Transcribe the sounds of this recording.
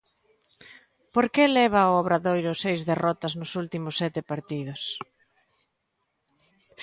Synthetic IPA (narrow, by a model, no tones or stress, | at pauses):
poɾkelɛβ̞aooβɾaðojɾʊsejzðerɔt̪ɐznʊsult̪imʊsːɛt̪ɪpaɾt̪ið̞ʊs